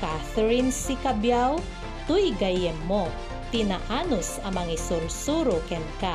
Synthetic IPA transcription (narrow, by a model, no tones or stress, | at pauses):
kaθɛɹinsikɐbjaw | t̪ʊjɡɐjɛmːo | t̪ɪna̰ʔanʊsɐŋmɐŋisʊɾsuɾokɛnka